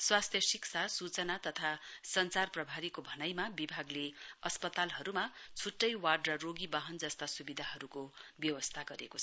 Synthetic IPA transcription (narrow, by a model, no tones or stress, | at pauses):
swast̪ʰjʌsiksʰasut͡sʌnat̪ʌt̪ʰasʌnt͡sarprʌbʱaɾikobʱʌnʌjmabibʱaɡleʌspʌt̪alɦʌɾumat͡sʰuʈːʌjwaɖrʌroɡibaɦʌnd͡zʌst̪asubid̪ʱaɦʌɾukobjʌwʌst̪ʰaɡʌɾḛkot͡sʰʌ